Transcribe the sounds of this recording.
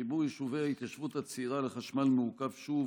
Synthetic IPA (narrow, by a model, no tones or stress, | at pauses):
ibujiʃuveait̪jaʃvut̪hat͡siʁaleχaʃmalmuukavʃuv